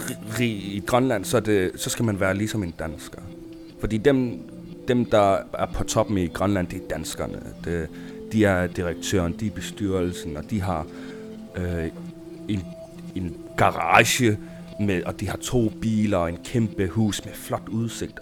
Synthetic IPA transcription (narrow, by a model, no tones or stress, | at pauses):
ʁḭːiɡ̥ʁɶnlæn̰sɒ̽d̥e̝sɒ̽sɡ̥æmænʋæːɐlisɒ̽me̝nd̥ænsɡ̥ɐ | fɒ̽d̥ḭːd̥em | d̥emd̥ɑ̈æɐpʰɒ̽t͡sʰɒ̽b̥m̩iɡ̥ʁɶnlæn̰d̥eæɐd̥ænsɡ̥ɐnəd̥e | d̥iæɐd̥iʁeɡ̥̚t͡sʰø̰ːɐnd̥iæɐb̥e̝sd̥yɐ̰l̩sn̩ɒ̽d̥iɦɑ̈ | e̝n | e̝n | ɡ̥ɑ̈ʁɑːɕə | meʔɒ̽d̥ihɑ̈t͡sʰo̝̰ːb̥ḭːlɐɒe̝nkʰemb̥əhṵːsmeflɒ̽d̥uð̞ˠse̝ɡ̥̚d̥